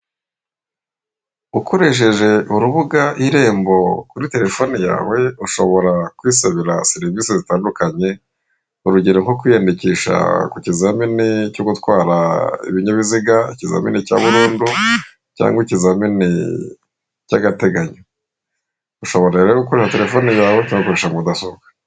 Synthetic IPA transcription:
ukʰo̞ɾe̞ʃ̬e̞ʒe̞ʔuɾuβuɡaʔiɾe̞ːmbo̞kuɾite̞ɾe̞fo̞nija̰ːwe̞uʃo̞βo̞ɾakwiːseβiɾaseɾivisezitaːndukaɲe̞ | uɾuɟeɾoŋho̞kwiːjandiciːʃa̰kucizaminicoːɡutwaːɾaḭβiɲuβiziɡaiciza̰mḭnica̰ːβuɾuːndu | ca̰ːŋɡwicizamini | caɡate̞ɡaɲo | uʃoβo̞ɾaeɾeɾoɡukoɾeʃate̞ɾe̞fo̞nijaːwecaːŋɡukuɾeʃamudasoɡḁ

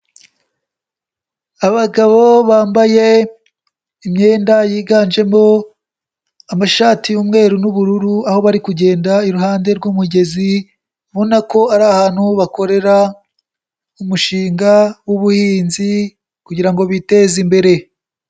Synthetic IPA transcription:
aβaɡaβo̞βaːmbaje̞ | imɲe̞ːndajiːɡaːnʒe̞mo̞ | amaʃaːtiumŋe̞ːɾunuβuɾuɾuaho̞βaɾikuɟe̞ːndaiɾuɦaːnde̞ɾɡuːmuɟe̞zi | βonako̞aɾaːhaːn̥huβako̞ɾe̞ɾa | umuʃiːŋɡawuβuhiːnzi | kuɟiɾaŋɡo̞βite̞ːzimbe̞ɾe̞

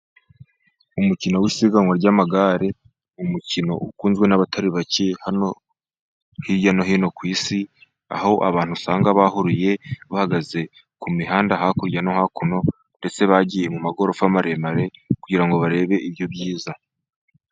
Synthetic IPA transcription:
umucino̞wiːsiɡaŋwaɾɟaːmaɡaːɾe | umucino̞ʔukuːnzɡwe̞naβatʰaɾiβacehano | hiɾɟano̞ɦiːno̞kwiːsi | a̰ho̞ʔaβaːn̥husaːŋɡaβahuɾuje̞βahaɡaze̞ | kumiɦaːndaɦakuɾɟano̞hakuno̞ | nde̞t͡se̞βaɟije̞mumaɡo̞ɾofamaɾe̞maɾe̞kuɟiɾaŋɡo̞βaɾe̞ːβe̞ʔiβjobɟiːza

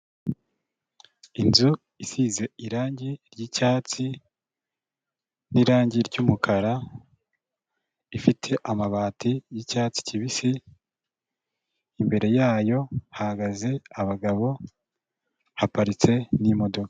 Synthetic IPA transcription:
inzu | isize̞iɾaːɲɟiɾɟiːcaːt͡si | niɾaːɲɟiɾɟuːmukʰaɾa | ifitʰe̞ʔamaβaːtijicaːt͡si̥ciβisi | imbe̞ɾe̞jaːjo̞hahaɡaze̞aβaɡaβo̞ | hapaɾit͡se̞nimo̞do̞ka

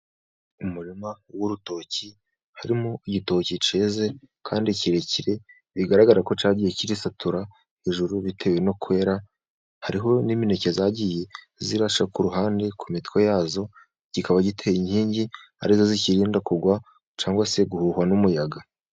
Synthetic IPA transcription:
umuɾimawuɾuto̞ci | haɾimoiɟito̞cit͡ʃe̞ːze̞ | kʰaːndiciɾe̞ciɾe̞ | βiɡaɾaɡaɾako̞t͡ʃaːɟijeciɾisatʰuɾa | heʒuɾuβitʰe̞we̞no̞kuwe̞ːɾa | haɾiɦo̞nimine̞ce̞zajaɟije̞ | ziɾaʃakuɾuɦaːnde̞kʰumitko̞jaːzo̞ | ɟ̥ikaβaɟitʰeiɲhiːɲɟi | a̰ɾizo̞ziciɾiːndakuɡwa | t͡ʃaːŋɡwase̞ɡuhuːhwanumujaɡa

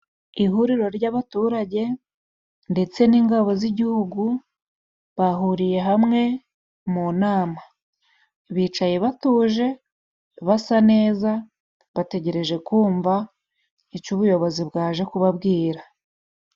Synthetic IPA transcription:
iɦuɾiɾo̞ɾɟaβatuːɾaɟe̞ | nde̞t͡se̞niːŋɡaβo̞ziɟihuɡu | βaɦuɾije̞ɦamŋe̞ | munaːma | βiːt͡ʃaje̞βatuːʒe̞ | βasane̞ːza | βate̞ɟe̞ɾe̞ʒe̞kuːɱva | icuβujo̞βo̞zibɡaːʒe̞kuβabɡiːɾa

